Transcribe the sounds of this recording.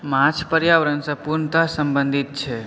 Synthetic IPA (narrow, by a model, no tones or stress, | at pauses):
mãt͡ʃʰpəɾjaʋəɾənsɐ̃puɾnət̪asə̃mbə̃nd̪ʱɪt̪̚t͡ʃʰe